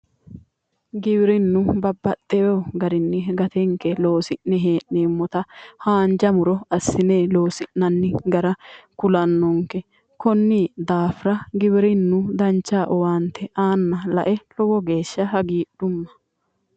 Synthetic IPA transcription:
ɡɪbɪɾɪnːʊbɐbːɐt̪ʼːɛjoɡɐɾɪnːɪɡɐt̪ɛŋkːɛlo̞ːsɪnnɛɦeːʔneːmːɔt̪ɐhaːnd͡ʒɐmʊɾɔɐsːɪneːlo̞ːsɪnːɐnːɪɡɐɾɐkʊlɐnːɔŋkɛ | kɔnːid̪aːfɾɐɡɪbɪɾɪnːʊd̪ɐnt͡ʃːaːʔɔwaːnt̪ʰɛʔaːnːɐlɐ̰ʔɛlɔwɔɡe̞ːʃːɐɦɐɡiːɗ̥ʊmːɐ̥

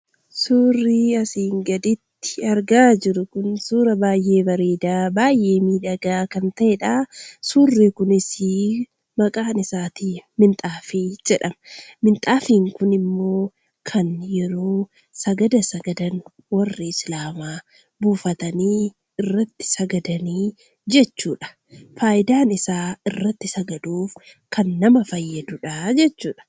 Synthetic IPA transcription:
suːrːiːɐsiːŋɡɐd̪ɪt̪ːɪ̥ɐɾɡaːd͡ʒɪɾʊkʊnsuːɾɐbaːjʔe̞ːbɐɾeːd̪aːbaːjʔe̞ːmiːd̪ɐɡaːkɐnt̪ɐʔeᶑaːsuːrːekʊnɪsi | mɐkʼaːnɪsaːt̪iːmɪnt̪ʼaːfiːd͡ʒɛᶑɐmɐmɪnt̪ʼaːfiːŋkʊnɪmːo̞ː | kʰɐnjɛɾo̞ː | sɐɡɐd̪ɐsɐɡɐd̪ɐn | wɐrːɪɪslaːmaː | buːfɐt̪ɐniː | ɪrːɐt̪ːɪ̥sɐɡɐd̪ɐniː | d͡ʒɛt͡ʃːuːᶑɐ̥ | faːjɪd̪aːnɪsaːɪrːɐt̪ːɪsɐɡɐd̪uːf | kʰɐnːɐmɐfɐjːɐd̪ʊᶑaːd͡ʒɛt͡ʃːuːᶑɐ̥

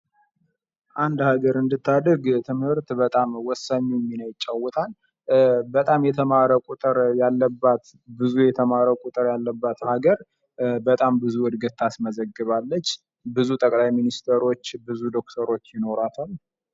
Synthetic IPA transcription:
ʔand̪haɡəɾɨnd̪ɨt̪ːad̪əɾɡt̪ʰɨmhɨɾt̪bət̪ʼamwɔsːaɲːuɛmːinəjɪt͡ʃʼːawːɔt̪ʰal | bət̪ʼamjɛt̪ʰəmaɾəkʼut̪ʼɨɾjalːəbːat̪ | bɨzujɛt̪ʰəmaɾəkʼʊt̪ʼɨɾjalːəbːat̪haɡəɾ | bət̪ʼambɨzuwɔd̪ɡət̪ʰːasməzəɡːɨβalːət͡ʃː | bɨzut̪ʼəkʼlajminist̪ʰəɾo̞t͡ʃːbɨzud̪o̞k̚t̪ʰəɾo̞t͡ʃːjɪno̞ɾat̪ʰaw

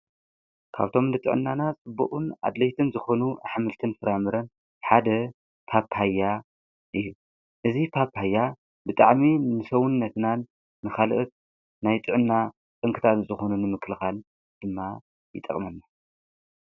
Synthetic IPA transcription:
kʰa̰βt̪ʰo̞mnɨt̪ʼɨ̰ʕɨ̰nːanat͡sʼɨbːṵʔʼuna̰d̪lɐjt̪ʰɨnzɨxo̞nuħamɨlt̪ʰɨnfɨɾamɨɾɐn | ħad̪ɐ | pʰaphajːa | ʔɨjːu | ʔɨzipʰaphajːa | bɨt̪ʼaʕminɨsɐwunːɐt̪nanː | ɨxalʔɨt̪̚ | najt̪ʼɨʕɨnːa | t͡sʼɨŋkʰɨt̪ʰat̪zɨxo̞nunɨmɨkʰlɨxal | d̪̥ɨmːa | jɪ̰t̪ʼɐ̰kʼmɐnːa

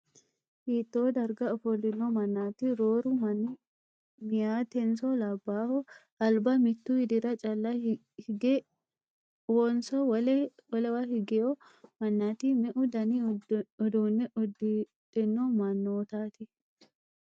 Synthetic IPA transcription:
hiːt̪ːoːd̪ɐɾɡɐɔfɔlːɪnːɔmɐnːaːt̪iɾoːɾʊmn | mɪjaːt̪ɛnsɔlɐbːaːhɔ | ɐlbɐmɪt̪ːuːhɪd̪ɪɾɐt͡ʃʼɐlːɐ | ɡɛ | wɔnsɔwwɐlɛwahɪɡɛɔ | mɐnːaːt̪imɛʔʊd̪ɐniɔd̪oːnːɛʔɔd | t̪ʼɪnːɔmɐnːoːt̪aːt̪ɪ

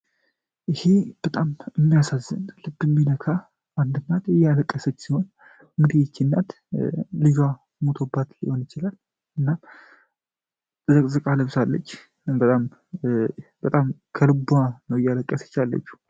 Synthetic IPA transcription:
ʔɪhe̞b̥ət̪ʼamɨmːijasazːə̰nlɨbːɨmːinəkʰa | ʔand̪ɨnːat̪ɛjaləkʼːəsət͡ʃːsiho̞n | ɨŋɡɨd̪ijɛt͡ʃːinːat̪ | liɡa | mot̪ʰobːat̪liho̞njɪt͡ʃɪlal | ʔɨnːam | zəkʼzɨkʼaləβsalːə̰t͡ʃː | bət̪ʼam | b̥ət̪ʼamkʰəlɨbuanəwɨjːaləkʼːəsə̥t͡ʃːalːə̰t͡ʃːu̥

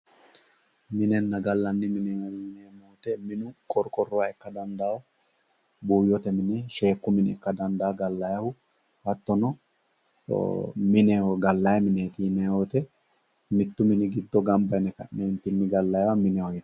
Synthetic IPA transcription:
mɪnɛnːɐɡɐlːɐnːɪmɪnɛwɐiːneːmoːt̪ɛmɪnʊkʼɔɾkʼɔrːɔwɐɛkːɐd̪ɐnd̪aːw | buːjɔt̪ɛmɪnɛʃe̞ːkːʊmɪnɛkːɐd̪ɐnd̪aːɡɐlːɐjɐhʊ | hɐt̪ːɔnɔ̰ | mɪnɛɡɐlːɐjɐmɪneːt̪iːnɛot̪ɛ | mɪt̪ːʊmɪnɪɡɪd̪ːɔɡɐmbɐɛnɛkɐ̰ʔneːnt̪ɪnːɪɡɐlːɐjwɐmɪnɛwɔjt̪

